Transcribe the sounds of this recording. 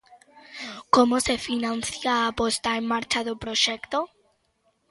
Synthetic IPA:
komosefinãn̟θjaːpost̪aemːaɾt͡ʃaðopɾoʃekt̪o

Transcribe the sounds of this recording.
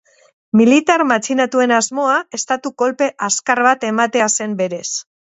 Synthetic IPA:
milit̪aɾmat͡ʃinat̪ue̞nazmo̞ae̞st̪at̪uko̞lpe̞ʔaskaɾβat̪e̞mat̪e̞ase̞mbe̞ɾe̞s

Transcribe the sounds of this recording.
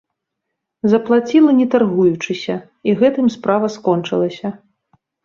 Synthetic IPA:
zɐplˠat͡sʲilˠɐnʲɛt̪arɣujut͡ʂɨsʲɐ | iɣɛt̪ɨmspɾavɐskɔnt͡ʂɨlˠɐsʲɐ

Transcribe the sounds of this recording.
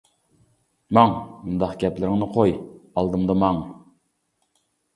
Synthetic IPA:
mɑŋmund̪ɑqɡʲɛplɪɾɪŋnɨqʰojɑlˠd̪ɨmd̪ɑmɑŋ

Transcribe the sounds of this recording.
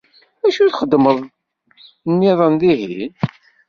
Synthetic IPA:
æʃuθχəd̪ːməðˤ | nːiðˤənðihin

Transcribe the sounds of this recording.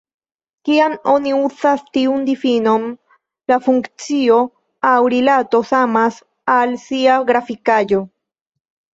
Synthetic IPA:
kiamo̞niusastiundifino̞m | lafuŋkt͡sio̞ | awɾilato̞samas | alsiaɡɾafikad͡ʒo̞

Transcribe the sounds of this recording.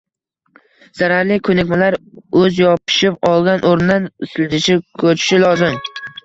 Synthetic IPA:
z̥aɾaɾlɪkʰɵnɪkʲmalaɾɵzjɒpʰɪ̥ʃɪpɒlˠɡʲanʔoɾnɪd̪anɪsɪld̪ɪʃɪkʰɵt͡ʃʰɪ̥ʃɪlɒzɪm

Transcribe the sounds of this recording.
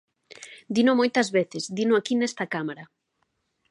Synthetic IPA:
d̪inʊmojt̪ɐzβeθɪzd̪inʊakinest̪ɐkamaɾɐ

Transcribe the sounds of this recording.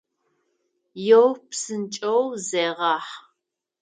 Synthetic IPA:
jɛwpsɨnt͡ʃʼɐwzeːʁɑːħ

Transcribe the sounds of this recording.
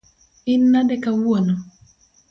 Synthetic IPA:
ɪnːadɛkawwonɔ

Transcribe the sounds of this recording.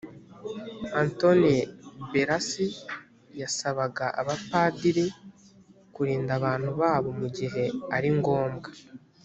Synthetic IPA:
anto̞nibeɾasi | jasaβaɡaʔa̰βapaːdiɾi | kuɾiːndaβaːn̥huβaːβo̞muɟiɦe̞aɾiŋɡo̞ːmɡa

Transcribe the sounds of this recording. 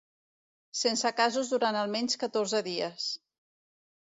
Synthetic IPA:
sensəkazuzðuɾanəlˠmɛɲʲskət̪orzəðiəs

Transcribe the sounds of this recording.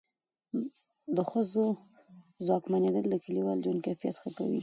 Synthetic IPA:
d̪əxəzo | zwɑkmaned̪əld̪əkəliwɑld͡ʒwand̪kafija̰t̪xəka̰wḭ

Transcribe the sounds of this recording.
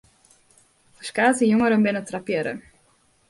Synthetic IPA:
fəskaːtəjuŋəɾəmbɪnətrapjəɾə̰

